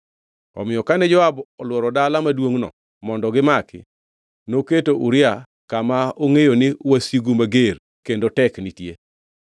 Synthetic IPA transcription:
ɔ̰mɪjɔkanɛd͡ʒɔabɔlwɔɾɔdalamadwoŋnɔ̰ | mɔndɔɡɪmakɪ̰ | noketoʔuɾɪa | kamaoŋejonɪwasiɡumaɡer | kendotɛknitje

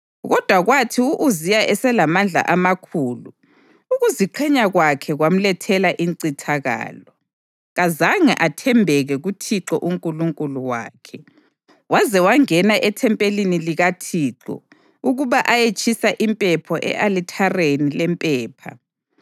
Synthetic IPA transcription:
ɣɔd̥ʱwaɣwatʰiuʔuzijaʔɛsɛlamand͡ɮʱa̰ʔamakʰuːlu | uɣuziǃʰɛɲaɣwakʰɛɣwam̩lɛtʰɛlaʔiŋǀitʰaɣa̰ːlɔ | ɣazaŋɛʔatʰɛmbʱɛɣɛɣutʰiǁɔʔuŋkʼuluŋkʼuluwa̰ːkʰɛ | wazɛwaŋɛnaʔɛtʰɛmpʼeliniliɣatʰiǁɔ̰ | uɣuβaʔajet͡ʃʼisaʔimpʼɛpʰɔʔɛ̰ʔalitʰarenilɛmpʼɛːpʰa̰

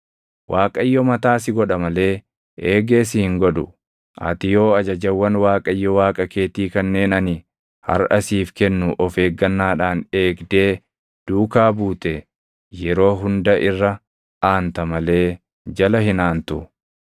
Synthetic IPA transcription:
wʔaːkʼɐjːɔmɐt̪aːsɪɡɔᶑɐmɐle̞ː | eːɡe̞ːs̬ɪhɪŋɡɔᶑ̪ʊ̰ | ʔɐ̰t̪ɪjo̞ːɐd͡ʒɐd͡ʒɐwːɐnwaːkʼɐjːɔwaːkʼɐke̞ːt̪iːkɐnːe̞ːnɐnɪ | hɐ̰ɾɐsiːfkɛnːʊʔɔfe̞ːɡːɐnːaːᶑaːne̞ːɡd̪e̞ː | d̪̥uːkaːbuːt̪ɛ | jɛɾo̞ːɦʊnd̪ɐʔɪrːɐ | ʔaːnt̪ɐmɐle̞ː | d͡ʒɐlɐhɪnaːnt̪ʊ

